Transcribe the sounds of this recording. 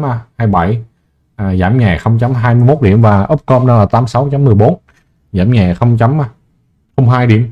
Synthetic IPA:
a˧˩haː˧jɓa˧˩j | ʔaː˨˩za̰ː˧˩mɲaː˨˩xə˧wŋ͡mt͡ɕa˨˦mɦaː˧jmɨ˧jmo˦˥t̚ɗḭ˧˩əmvaː˨˩ʔə˦˥p̚kɔ˧mna˧laː˨˩t̪aː˨˦msa˨˦wt͡ɕa˨˦mːɨ˨˩əjɓo˨˦n | zaː˧˩mɲaː˨˩xə˧wŋ͡mt͡ɕa˨˦mː˧˩ | xə˧wŋ͡mɦaː˧jɗḭ˧˩˨əm

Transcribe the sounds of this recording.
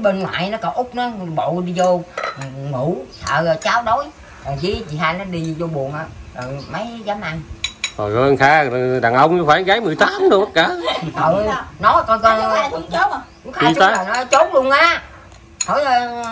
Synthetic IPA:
ɓəː˧nŋwa̰ː˧˨jnɔ˨˦kə˨˩wʔʊ˦˥k͡p̚nɔ˨˦ɓo̰˧˨ɗi˧zo˧ | ŋṵ˧˨˦sʰə̰ː˧˨t͡ɕaː˨˦wɗo˨˦j | a˨˩zi˨˦t͡ɕḭ˧˨haː˧jnɔ˨˦ɗi˧zo˧ɓu˨˩ənʔaː˨˩ɗə˨˩mə˨˦jzaː˨˦mʔa˧ŋkɔ˨˩ə˧ŋxaː˧˨ɗaː˨˩ŋʔə˧wŋ͡mɲɨ˧faː˧˨˩ɣaː˨˦jmɨ˨˩əjt̪aː˨˦mɗo˨˧ɓə˦t̚kaː˨˩˨kə˨˩wnɔ˨˦kɔ˧nkɔ˧˨˦ | kʊ˧˦xa˨˧˩t͡ɕʊ˦aː˨˦˨nɔ˨˦t͡ɕo˦˥ŋ͡m̚ɗʊ˧˩əŋaː˧˦ | t̪ʰo˨˦jə˧

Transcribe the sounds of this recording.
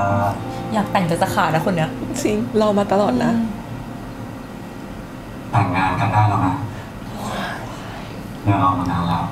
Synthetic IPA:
jaː˨˩k̚t̪ɛ˨˩ŋt͡ɕa˨˩t͡ɕa˧kʰaː˨˩na˦˥kʰu˧nːa˦˥˧t͡ɕi˧ŋɾa˧wmaː˧t̪a˧lɔː˨˩t̪̚na˦˥ | t̪a˨˩ŋŋaː˧nka˧˩daː˥˩la˧˥˩ʔa˧˥ | mɯ˥˩ʔaː˧˩ma˧naː˨˧˥nlɛː˦˥˩

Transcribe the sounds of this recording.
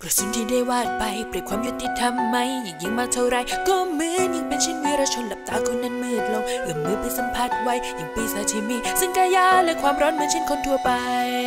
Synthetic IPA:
kɾɔ˨˧˩si˨˧˦ŋt̪ʰiː˧˩da˥˩jwaː˧˩t̪̚pa˧jpɾi˨˩t̚kʰwaː˧mju˦˧˥t̪ːi˧t̪ʰa˧mːa˧˥˩jːa˨˩ŋja˧˩ŋmaː˧˩t̪ʰa˧˩wɾa˧jt̪u˧əmɯ˧˥əɲa˧ŋpe˧nt͡ɕʰi˥˩˨nwiː˧˥ɾaː˧˥t͡ɕʰo˧˥nla˨˦p̚t̪aː˨˦kʰo˧˦nːa˧˥˨nmɯ˧˩ək̪̚lo˧ŋʔɯː˨˩mmɯ˧˦pa˧˥sa˧˦mpʰaː˧˥˩t̪̚wa˧˥jja˨˩ŋpi˧˩saː˨˦t̪ʰiː˧mi˧˩sɯ˧˦ŋkaː˧jaː˧˥lɛ˦˧˥kʰwaː˧mɾɔː˦˥nmɯ˧˦t͡ɕʰi˦˥˩nkʰo˧nt̪ʰu˧ɐpa˧j

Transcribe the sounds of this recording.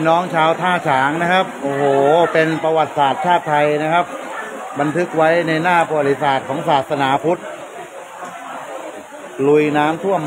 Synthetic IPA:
nɔː˦˥ŋt͡ɕʰaː˧wt̪ʰaː˥˩t͡ɕʰaː˩˦ŋna˦˥kʰa˦˥p̚ʔoː˧˩hoː˨˩pe˧npa˧wa˨˩t̪̚saː˨˩t̪̚t͡ɕʰaː˥˩t̪ʰːa˧jna˦˥kʰa˦˥p̚ | ba˧nt̪ʰɯ˦˥k̚wa˦˥jna˧jnaː˥˩pɾa˧wa˨˩t̪̚ːi˦˥saː˨˩t̪̚kʰɔː˩˦ŋsaː˨˩t̪̚sa˧naː˩˦pʰu˦˥t̪̚ | lu˨˩jnaː˦˥mt̪ʰu˥˩əm

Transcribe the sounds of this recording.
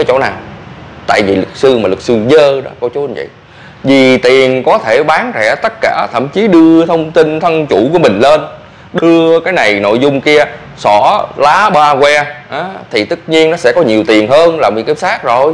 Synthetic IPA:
aː˨˦jt͡ɕo̰˧˥˩naː˨˩wt̪a̰ː˧˨jvi˨˩lɨ˨˩k̚sɨ˧maː˨˩lɨ˨˩k̚sɨ˧zəː˧ɗɔ˨˦ko˧˩t͡ɕu˦˥˧və̰˧˨j | zi˨˩t̪i˨˩ənkɔ˨˦t̪ʰe˧˩ɓaː˨˦nzɛ˧˩t̪ə˦˥t̚kaː˧˩t̪ʰə̰˧˩˨mt͡ɕi˨˦ɗɨ˧ət̪ʰə˧wŋ͡mt̪i˧nt̪ʰə˧nt͡ɕu˧˩ku˧˩mï˨˩ŋ̟leː˧n | ɗɨ˧əkaː˨˦jna˨˩jno̰˧˨jzʊ˧ŋ͡mki˧ə | sɔ˧˩laː˨˦ɓaː˧kwɛ˧ʔaː˨˦t̪ʰi˨˩t̪ɨ˦˥t̚ɲi˧ənɔ˨˦sɛ̰˧˥kɔ˨˦ɲi˨˩əwt̪i˨˩ənɦəː˧nlaː˨˩mɨ̰˨˧˥kːp̚saː˦˥k̚zo˨˩j

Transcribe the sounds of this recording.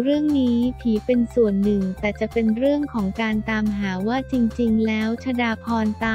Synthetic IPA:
ɾɯ˥˩əŋniː˦˥t̪ʰiː˩˦pe˧nsu˨˩ənːɯ˨˩ŋt̪ɛː˨˩t͡ɕa˨˩pe˧nɾɯ˥˩əŋkʰɔː˩˦ŋkaː˧nt̪aː˧mɦaː˩˦waː˥˩t͡ɕi˧ŋt͡ɕi˧ŋlɛː˦˥wt͡ɕʰa˧daː˧pʰɔː˧nt̪aː˧

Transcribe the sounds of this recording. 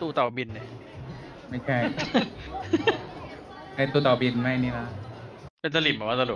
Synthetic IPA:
t̪uː˧t̪ɔː˨˩bi˧nːa˧˩ | ma˥˩jt͡ɕʰa˥˩ | na˧jt̪uː˧t̪ɔː˨˩bi˧nma˥˩jniː˥˩la˦˥ | pe˧nsa˧li˨˩bɔː˨˩˦waː˥˩sa˧du˨˩

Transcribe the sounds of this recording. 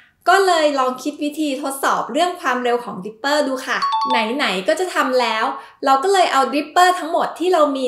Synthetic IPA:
kɔː˥˩lɤː˧jlɔː˧ŋkʰi˦˥t̪̚wi˦˥t̪ʰiː˧t̪ʰo˦˥t̪̚sɔː˨˩p̚ɾɯ˥˩əŋkʰwaː˧mɾe˧wkʰɔː˩˦ŋdɾi˦˥pːɤː˥˩duː˧kʰa˥˩na˩˦jna˩˦jkɔː˥˩t͡ɕa˨˩t̪ʰa˧mlɛː˦˥w | ɾa˧wkɔː˥˩lɤː˧jʔa˧wd̪ɾi˦˥pːɤː˥˩t̪ʰa˦˥ŋmo˨˩t̪ʰːiː˥˩ɾa˧wmiː˧

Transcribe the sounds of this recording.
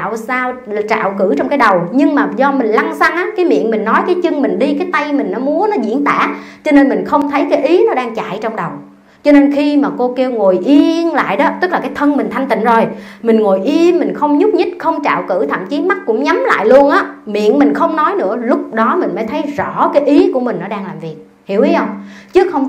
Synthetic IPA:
wsaː˧w | t͡ɕa̰ː˧˨wkɨ˧˩t͡ɕɔ˧wŋ͡mkaː˨˦jɗə˨˩wɲɨ˧ŋmaː˨˩zɔ˧mï˨˩ŋ̟la˧ŋsa˧ŋʔaː˨˦kaː˨˦jmḭ˧˨ənmï˨˩ŋ̟nɔ˨˦jkaː˨˦jt͡ɕɨ˧ŋmï˨˩ŋ̟ɗi˧kaː˨˦jt̪a˧jmï˨˩ŋ̟nɔ˨˦mu˨˦ənɔ˨˦zḭ˧˥ənt̪a̰ː˧˥t͡ɕɔ˧ne˧nmï˨˩ŋ̟xə˧wŋ͡mt̪ʰə˨˦jkaː˨˦jʔi˨˦nɔ˨˦ɗaː˧ŋt͡ɕa̰ː˧˨jt͡ɕɔ˧ŋ͡mɗə˨˩w | t͡ɕɔ˧ne˧nxi˧maː˨˩ko˧ki˧wŋo˨˩jʔi˧nla̰ː˧˨jɗɔ˨˦t̪ɨ˦˥k̚laː˨˩kaː˨˦jt̪ʰə˧nmï˨˩ŋ̟t̪ʰa˧jŋ̟t̪ḭ˧˨ŋzo˨˩j | mï˨˩ŋ̟ŋo˨˩jʔi˧mi˨˩ŋ̟xə˧wŋ͡mɲʊ˦˥p̚ɲɨ˦˥t̚xə˧wŋ͡mt͡ɕa̰ː˧˨wkɨ̰˧˩t̪ʰə̰˧˨mt͡ɕi˨˦ənma˦˥t̚kːʊ̰˧˥ŋ͡mɲa˨˦mla̰ː˧˨jlu˧ənʔaː˨˦mḭ˧˨ənmi˨˩ŋ̟xə˧wŋ͡mnɔ˨˦jnɨ̰˧˥əlʊ˦˥k͡p̚ɗɔ˨˦mï˨˩ŋ̟maː˨˦jt̪ʰə˨˦jzɔ̰˧˩˨kaː˨˦jʔi˨˦ku˧˩əmï˨˩ŋ̟nɔ˨˦ɗaː˧ŋlaː˨˩mvi˨˩ək̚ | hḭ˧˩əwʔi˨˦ʔə˧wŋ͡mt͡ɕɨ˨˦˥xə˧wŋ͡m

